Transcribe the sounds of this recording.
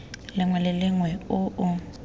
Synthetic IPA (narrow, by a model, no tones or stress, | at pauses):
lɪŋwɛlɪlɪŋwɛʊʔʊ